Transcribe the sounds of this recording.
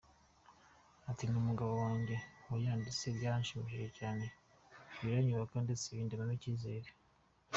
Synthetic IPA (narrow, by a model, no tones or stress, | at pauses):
atinumuɡaβowaːɲɟe̞wujaːndit͡seβɟaːaɲʃimiʃiʒecaːne̞ | βiɾaɲuβakandeseβiːndiβaniciːze̞ːɾe